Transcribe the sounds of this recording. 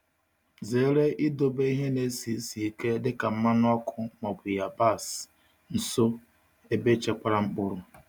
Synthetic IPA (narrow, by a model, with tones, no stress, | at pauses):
zeː˨˦ɾe˦ʔɪ˦do˨be˦i˦ɦe˦ne˨˦si˨˦si˨i˦ke˦dɪ˦ka˨m̩˦ma˦nʊ˦ɔ˦kʰʊ˦mɔ˨bʊ˨ja˨ba˦˨s | n̩˨so˦ | e˦be˦t͡ʃe˨kʷa˦ɾa˦ŋ͡m̩˦k͡pʊ˦ɾʊ˨